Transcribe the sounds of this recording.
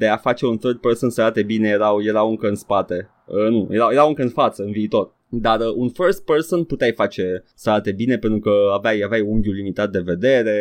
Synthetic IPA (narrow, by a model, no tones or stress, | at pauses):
d̪e̞afat͡ʃe̞unθərd̪̚personsəɾat̪e̞bine̞jeɾawje̞ɾauŋkəɨnspat̪e̞ | ənujeɾajeɾaɨŋkəɨnfat̪səɨnviːt̪o̞r | d̪arəunfərst̪̚personput̪eajfat͡ʃe̞səɾat̪e̞bine̞pe̞nt̪ɾukəavajavjajuŋɡʲulimit̪at̪̚d̪e̞ve̞d̪e̞ɾe̞